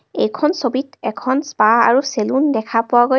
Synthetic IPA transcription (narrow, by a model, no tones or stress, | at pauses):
ejkʰɔnsobitɛkʰɔnspaa̰ɹuselundɛkʰapʊwaɡo